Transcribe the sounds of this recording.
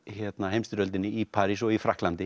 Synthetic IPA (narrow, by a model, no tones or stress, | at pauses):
çɛt̪nahejmst̪ʏɾœlt̪ɪnːɪipʰaːɾis̬ɔɣifɾahklant̪ɪ